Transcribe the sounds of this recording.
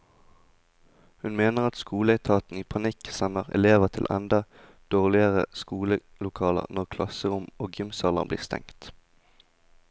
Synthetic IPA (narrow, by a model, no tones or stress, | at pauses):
hʉnmeːnəʁɑt̪skuːləæɪt̪ʰɑːt̪n̩iːpʰɑnɪksɛnəʁɛ̰leːʋəʁt̪ʰɪlʔɛ̰nd̪ɑ | d̪̥oːʁlɪəʁəskuːlə | lʊkʰɑːlə̰ʁnɔʁkʰlɑsəʁʊmoːɡɪmsɑːlə̰nblḭːʁst̪ɛ̰ŋt̪